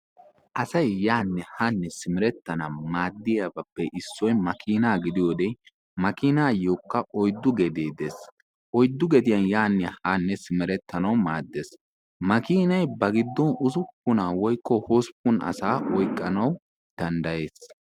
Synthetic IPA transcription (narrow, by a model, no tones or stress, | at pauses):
ʔɐsɐjjːaːnːɛhɐnːɛsɪmɪɾɛt̪ːɐnɐmaːd̪ːɪjɐbɐpːɛʔɪsːɔjmɐkʰiːnaːɡɪd̪ɪjoːd̪e | mɐkiːnaːjoːkːɐʔɔjd̪ːʊɡɛd̪eːd̪es | ʔɔjd̪ːʊɡɛd̪ɪjɐnjaːnːɛhɐnːɛsɪmɪɾɛt̪ʰːɐnɐwmaːd̪ːes | mɐkiːnɐjbɐɡɪd̪ːɔnʊzʊpːʊnawɔjkːɔhoːspːʊnɐ̰saːʔɔjkʼːɐnɐw | d̪̥ɐnd̪ɐje̞ːs